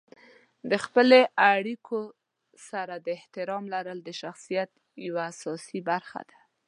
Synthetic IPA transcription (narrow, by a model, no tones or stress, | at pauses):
d̪əxpəleʔaɽikʰo | saɾad̪əɪht̪ɪɾɑmlaɾəld̪əʃaxsijat̪ | jawaːsɑsibaɾxa̰d̪̥ḁ